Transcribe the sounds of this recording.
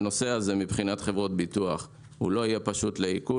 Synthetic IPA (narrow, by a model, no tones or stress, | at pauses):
no̞seaze̞mibχinat̪χe̞vʁo̞t̪̚bit̪uaχ | hṵlo̞ajepaʃut̪leiku